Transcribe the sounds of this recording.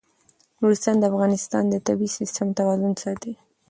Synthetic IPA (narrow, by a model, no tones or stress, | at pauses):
ɾuɾɪst̪ɑnd̪əafɣɑnɪst̪ɑ̰nd̪ət̪abisɪst̪əmt̪awɑzʊnsɑt̪i